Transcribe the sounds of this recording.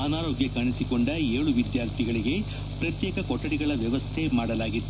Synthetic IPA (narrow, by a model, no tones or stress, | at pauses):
ɐnaːɾoːɡjɐkɐɳisiko̞ɳɖɐeːɭuʋid̪jaːɾt̪ʰiɡɐɭiɡe̞ | pɾɐt̪jɛːkɐkɔʈːɐɽiɡɐɭɐʋjɐʋɐst̪ʰemaːɽɐlaːɡit̪ːu